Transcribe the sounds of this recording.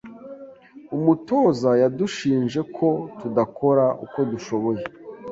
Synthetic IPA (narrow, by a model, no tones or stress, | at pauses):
umuto̞ːzajaduʃiːnʒe̞kʰo̞tudako̞ɾaʔṵko̞duʃo̞βo̞je